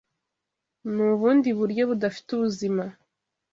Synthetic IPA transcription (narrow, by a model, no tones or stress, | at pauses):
nuβuːndiβuɾjo̞βudafi̥tuβuzima